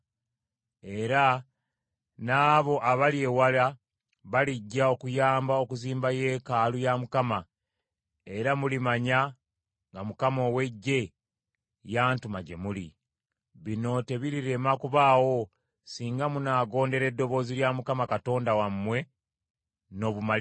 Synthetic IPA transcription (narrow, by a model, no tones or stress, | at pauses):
e̞ɾa | naːβo̞ʔaβalje̞wala | βaliɟːao̞kujaːmbao̞kuziːmbaje̞ːkaːlujamukama | e̞ɾamulimaɲa | ŋɡamukamo̞we̞ɟːe̞ | jaːntumaɟe̞̰mulḭ | βino̞te̞βiɾiɾe̞makuβaːwo̞ | siːŋɡamunaːɡo̞ːnde̞ɾe̞dːo̞βo̞ːziljamukamakato̞ːndawamːwe̞ | no̞βuma